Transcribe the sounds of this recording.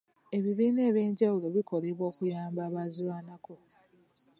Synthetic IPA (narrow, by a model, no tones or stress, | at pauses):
e̞βiβiːne̞ːβje̞ːɲɟawulo̞βikʰo̞liβwo̞ːkujaːmbaːβaziwaːnako̞